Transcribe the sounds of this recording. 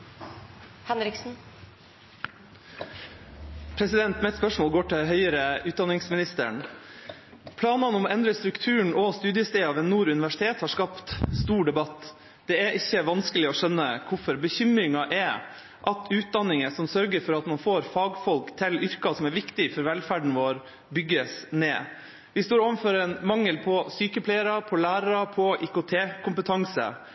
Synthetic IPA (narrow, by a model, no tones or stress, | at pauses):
hɛnɾɪksn̩ | pʰɾɛsɪd̪ɛnt̪mɛt̪spœʂmoːlɡoːʈɪɦœʏəɾəʉːt̪d̪ɑnːɪŋsmɪnɪst̪ə̰ɳ | pʰlɑːnɑnɔmɛnd̪ɾəst̪ɾʉkt̪ʰʉːɳ̩ɔst̪ʉːd̪ɪəst̪eːɑʋɛnːuːɾʉnɪʋæʂɪ̥t̪ʰeːt̪hɑʂkɑpt̪st̪uːɖɛbɑt̪ː | d̪̥ɛæɾʔɪçːəʋɑnskəlɪɔʂœnːəkʰʊfɔɾbəçʏmɾɪŋɑʔɛɾ | ʔɑt̪ʰʉːt̪̚d̪ɑnːɪŋəsɔmsœɾɡəɾfɔɾɑt̪mɑnfoːɾfɑːɡfɔlkt̪ʰɪlʏɾkɑsɔmæɾʋɪkt̪ɪfɔɾʋɛlfæːɖɳ̩ʋoːɾ | bʏɡːəsneː | ʋɪst̪oːɾoːʋəfɔɾɛnmɑŋːəlpʰɔsyːkəpʰlɛɪəɾɑpʰɔlæːɾɑɾɑpʰɔʔɪkʊt̪ʰeːkʰʊmpət̪ʰɑŋsə̰